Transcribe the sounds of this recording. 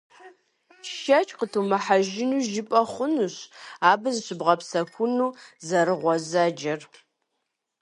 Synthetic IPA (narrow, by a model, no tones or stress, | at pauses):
ʃɐt͡ʃʼqətʰumɐħaʒɪnuːʒɪpʼɐχʷʊnuɕaːbɨzɕɪbʁɐpsɐkʷʰʊnuːzɐɾɨʁʷɔzɐd͡ʒɐr